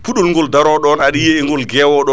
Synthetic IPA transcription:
puɗɔlŋɡɔldaɾɔɗɔnaɗijeɛŋɡɔlɡɛːwɔɗɔ

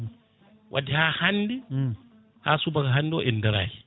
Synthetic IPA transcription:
wʔa̰dihahanːdi | hasubakaɦanːdiɔʔɛndɛɾa̰ːji

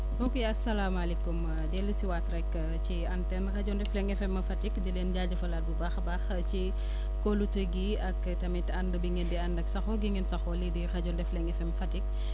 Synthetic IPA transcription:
bɔkɛɐsɐlaːmɐlɛkːum | dɛlːusiwatrɛkː | ciɐntɛnxɐɟɔndɛflɛŋɛfɛmːɐfɐtikdilɛːnɟaːɟɐfɐlat̚bubaːxbaːx | ci | kolutəɡi | ɐk | tɐmitɐndəbiŋɡɛndiɐndɐksɐxɔɡiŋɛnsɐxɔlidixɐɟɔndɛflɛŋɛfɛmfɐtik̚

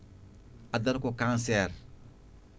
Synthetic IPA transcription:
adɐɾkokãnsɛːɾ

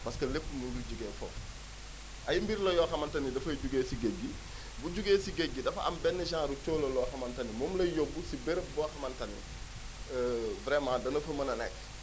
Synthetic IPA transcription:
pɐskəlepːmunduɟuɡeːfɔ̰f | ʔɐjimbiɾlɐjɔxɐmɐntɐnidɐfɐjɟuɡeːsiɡeɡːi | buɟuɡeːsiɡeɡːidɐfɐɐ̰mbɛnːɐʒãːɾut͡ʃoːlɐlɔxɐmɐntɐnimɔːmlɐjɔbːusibeɾəbɔxɐmɐntɐnḭ | vɾɛmãːdɐnɐfɐmɐnɐnɛ̰k

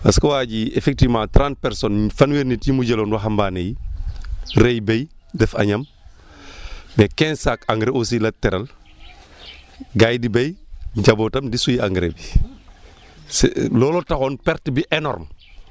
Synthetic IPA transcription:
ɐskowaːɟiefek̚tivmãːtɾãnt̚pɛɾsonfanweɾnitjimuɟelonwaɦambaːneji | ɾejbejdɛfa̰ɲɐm | mekɛ̃nsakaŋɡɾeos̬ilɐtɛɾal | ɡajdibejɟaboːtɐmdisujiaŋɡɾḛbi | slɔːlotaxoːnpɛɾtbiʔenɔ̰ɾm

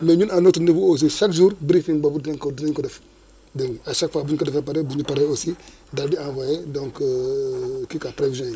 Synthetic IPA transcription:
meɲunanotundifuos̬isakʒuɾbɾifiŋbabudaŋkodiniɲkodɛf | dəŋaʃakfabuɲkodɛfepaɾebuɲupaɾeosi | daɾdiãvajedõŋk | kikapɾevizõj

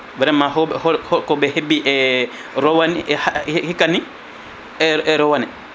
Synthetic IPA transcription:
vɛɾɛmːaɦɔhɔhɔkɔbɛhebːiʔɛ | ɾɔwaniɛhahhikːani | ɛɛɾɔwanɛ

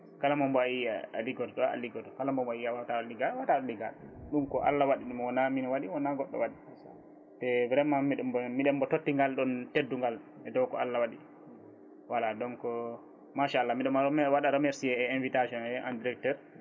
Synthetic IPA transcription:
kalamɔmbɔaiaa̰liɡɔtɔɗɔa̰liɡɔtɔkalambɔmbɔaiawataɔliɡaɗwataɗɔliɡa̰ɗɗumkɔʔa̰lːawaɗiɗimwɔnaminɔwaɗiwɔnaɡɔɗːɔ̰waɗi | tɛvɾɛmːamiɗmiɗɛmbɔtotːiŋɡalɗɔntedːuŋɡal | ɛdɔwkɔ̰a̰lːawaɗi | waladɔnkɔ | maʃaalːamiɗɛmaɾɔmɛwaɗaɗɔmɛɾsiɛɛɛnvitaʃɔnɛʔandiɾɛk̚tɛɾ

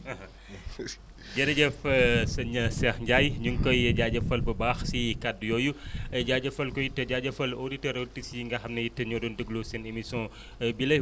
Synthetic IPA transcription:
ɐɦɐ | d͡ʒɐɾɐɟɛfsɐɲɐsɛxɲɟajɲuŋkɔjɐɟaɟɐfɐlbɐbaːxsikadujɔːjuɐɟaɟɐfɐlkɔjitːɐɟaːɟɐfɐloditɐɾotisjiŋɡɐxɐmnɐjitːɐɲɔdɔndəɡlosɛnemisɔ̃ | bilɐ

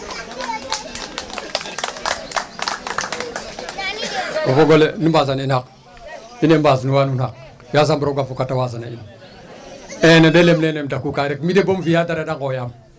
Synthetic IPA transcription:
ofoɡolenibazaninhak̚ | inembaznuwanunhak | jaz̬ambuɾoɡafukatawaz̬anain | enedelemnenemdakukaɾekmidebomfijadaɾedaŋɡojam

